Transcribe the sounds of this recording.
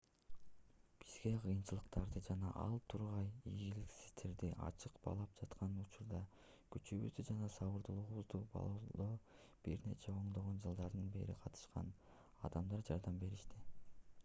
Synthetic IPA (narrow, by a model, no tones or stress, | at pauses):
b̥iz̥ɡe̞qʰɯjɯnt͡ʃɯlˠɯqt̪ɑɾd̪ɯd͡ʒɑnɑʔɑ̰lˠt̪ʰuɾʁɑjiɡiliksi̥z̥t̪eɾd̪iʔɑ̰t͡ʃɯqb̥ɑ̰lˠɑp̚d͡ʒɑt̪qʰɑnut͡ʃuɾd̪ɑ | kyt͡ʃyβy̰zd̪yd͡ʒɑnɑsɑβɯɾd̪ulˠuʁuβuzd̪ubɑ̰lˠod̪o | b̥iɾne̞̰t͡ʃeo̞ɴd̪o̞ʁo̞nd͡ʒɯlˠd̪ɑɾd̪ɯnbe̞̰ɾiqʰɑt̪ʰɯ̥ʃqɑ̰n | ɑ̰d̪ɑmd̪ɑɾd͡ʒɑɾd̪ɑmbe̞ɾiʃt̪i